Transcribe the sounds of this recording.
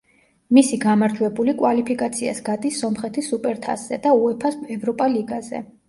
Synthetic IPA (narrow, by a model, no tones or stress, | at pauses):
misiɡamaɾt̪ʰuɛbulikʼwalipʰikʼat̪sʰia̰sɡad̪isːɔmχɛt̪ʰisupʼɛɾt̪ʰa̰sz̥ɛ̰d̪auɛpʰasɛvɾɔpʼaliɡazɛ̰